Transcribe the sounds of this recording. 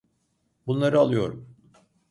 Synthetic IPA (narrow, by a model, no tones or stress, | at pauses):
bunlˠaɾɯalˠɯjo̞̰ɾṵm